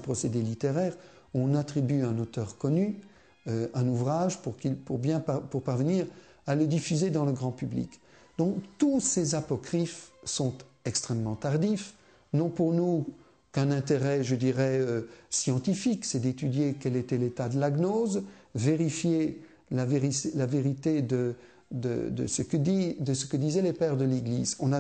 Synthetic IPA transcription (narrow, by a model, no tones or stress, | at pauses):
pχɔsed̪elit̪eʁɛʁ | ɔ̃nat̪χibyɛ̃not̪œʁkɔny | øɛ̃nuvʁaʒpuʁkilpuʁbjɛ̃papuʁpaʁvəniʁ | aləd̪ifyzed̪ɑ̃ləɡʁɑ̃pyblḭk | d̪ɔ̃kt̪usezapɔkχifsɔ̃t̪ | ɛkst̪χɛmːɑ̃t̪aʁd̪if | nɔ̃puʁnu | kɛ̃nɛ̃t̪eʁɛʒəd̪iʁɛøsjɑ̃t̪ifiksɛd̪et̪yd̪jekɛlet̪ɛlet̪ad̪əlaɡnozveʁifje | laveʁilaveʁit̪ed̪ə | d̪ə̰d̪ə̰səkəid̪əsə̥kəd̪izɛlepɛʁd̪əleɡlizɔ̃na